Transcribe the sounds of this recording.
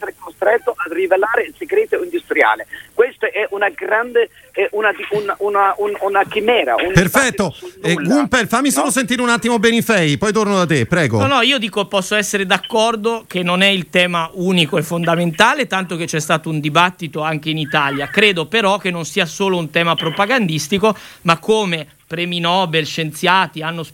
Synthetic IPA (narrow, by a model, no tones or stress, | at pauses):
ɛseɾekost̪ɾɛt̪ːoʔad̪rivelaːɾeseɡɾeːt̪oind̪ust̪ɾja̰ːlekwest̪oʔɛʔunaɡɾand̪e | ɛʔunad̪iununaununakimɛːɾa̰unperfɛt̪ːoɛɡumpelfamːisoːlos̬ent̪iːɾeunat̪ːimobɛːnifɛjpɔjt̪ornod̪at̪ːepɾɛːɡo̰nɔnɔiːod̪iːkopːɔsːoɛsːeɾed̪akːɔrd̪ok̟enːonɛilt̪ɛːmauːnikoɛfːond̪ament̪aːlet̪ant̪ok̟et͡ʃːɛst̪aːt̪ound̪ibat̪ːit̪oaŋk̟einit̪aljakɾeːd̪opeɾɔk̟enːonsiːasoːlount̪ɛːmapɾopaɡand̪ist̪ikomakːome | pɾeminɔːbelʃent̪sjaːt̪ianːos